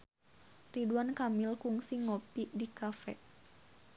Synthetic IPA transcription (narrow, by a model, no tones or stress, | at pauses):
riduankamilkuŋsiŋɔpidikafɛ